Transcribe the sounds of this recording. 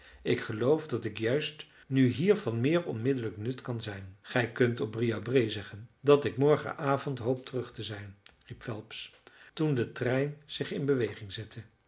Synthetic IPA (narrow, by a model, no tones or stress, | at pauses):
ɪkχəlowfdɑtɪkjœɥst | nyɦiːɹvɑnmɪːɹɔ̰nmɪdələknɵtkɑnzɛjnχɛjkɵntɔb̚rijabrejzɛχəndɑtɪkmɔɹχə̰ʔaːvɔntɦowp̚tərɵχtəzɛjnripfɛlˠpstundətrɛjnz̥ɪχɪnbəʋejχɪŋzɛtʰə